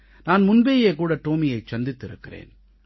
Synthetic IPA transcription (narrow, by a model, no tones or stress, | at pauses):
naːnmʊnbeːjeːkuːɽɐʈ̪oːmɪjɐɪt͡ʃːɐnd̪ɪt̪ːɪɾɯ̰kːɪrḛːn